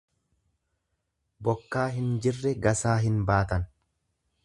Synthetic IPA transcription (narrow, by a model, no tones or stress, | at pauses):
bɔkːaːɦɪnd͡ʒɪrːɛɡɐsaːɦɪnbaːt̪ɐn